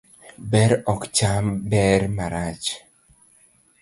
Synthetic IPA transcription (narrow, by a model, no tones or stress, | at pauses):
bɛɾɔkt͡ʃambɛɾmaɾat͡ʃ